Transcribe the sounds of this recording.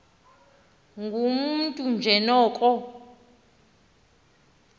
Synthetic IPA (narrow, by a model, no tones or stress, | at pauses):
ŋɡʱumuntʼund͡ʒʱɛnɔːkʼɔ